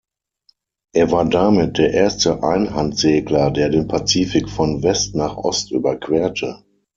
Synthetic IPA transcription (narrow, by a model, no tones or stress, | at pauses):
ʔeːɐvaːɐdamɪt̚d̥eːɐʔeːɐstəʔaɪnɦantz̥eːɡlɐdeːɐdeːnpʰat͡siːfɪkfɔnvɛstnaːχʔɔ̰stʔy̰ːbɐkʰv̥ɛːɐtʰə